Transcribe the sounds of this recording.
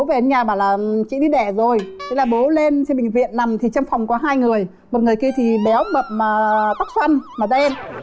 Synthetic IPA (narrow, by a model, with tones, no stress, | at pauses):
o˨˦ve˨˩ʔa˨˧˦nɲaː˨˩ɓaː˧˩wlaː˨˩t͡ɕḭ˧˥ɗi˧ɗɛ˧˩zo˨˩jt̪e˨˦laː˨˩ɓo˨˦le˧nsʰɛ˧ɓï˨˩ŋ̟vḭ˧˨ənːa˨˩mt̪ʰi˨˩t͡ɕa˧wŋ͡mfa˨˩wŋ͡mkɔ˨˦ɦaː˧jŋɨ˨˩əj | mo˨˩t̚ŋɨ˨˩əjki˧t̪ʰi˨˩ɓɛ˨˦wmə˨˩p̚maː˨˩t̪a˦˥k̚swa˧nmaː˨˩t̪e˧n